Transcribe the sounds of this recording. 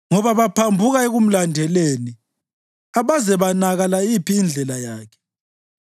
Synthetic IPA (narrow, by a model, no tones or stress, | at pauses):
ŋɔβaβapʰambʱuɣaeɣum̩landʱɛleːni | aβazɛβanaɣalaipʰiːnd͡ɮʱɛlajaːkʰɛ̥